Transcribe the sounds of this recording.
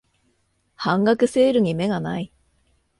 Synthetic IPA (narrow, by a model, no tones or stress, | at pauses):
hãŋɡakɯ̟se̞ːɾɯ̟ɲ̟ime̞ɡanai